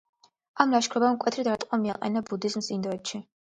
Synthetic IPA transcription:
amɾaʃkʰɾɔbamkʼwɛt̪ʰɾid̪ɾat̪ʼqʼamiaqʼɛ̰nabud̪izmsind̪ɔɛt̪ʃi

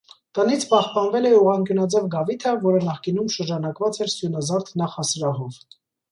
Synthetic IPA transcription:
t̪ənit͡sʰpɑχpɑnvɛlɛuʁɑŋkjunɑd͡zɛvɡɑvit̪ʰɑvɔɾənɑχkinumʃəɾd͡ʒɑnɑkvɑt͡sɛɾsjunɑzɑɾt̪ʰnɑχɑsɾɑɦɔv

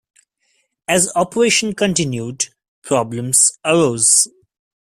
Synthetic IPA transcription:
æzɔpəɾeːʃə̃nkə̃ɳʈɪ̃njuːɖ | pʰɾɔːblə̃msəɾoːz

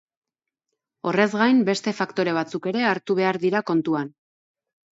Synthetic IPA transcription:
o̞re̞zɣajmbe̞st̪e̞fakt̪o̞ɾe̞β̞at͡suke̞ɾe̞aɾt̪uβe̞aɾðiɾako̞nt̪uan

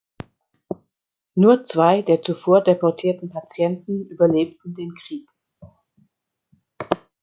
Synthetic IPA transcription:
nuːɐt͡sv̥aɪdeːɐt͡sufoːɐdepɔɐtʰiːɐtn̩pat͡sjɛntn̩ʔyːbɐleːp̚tn̩deːnkʁ̥iːk

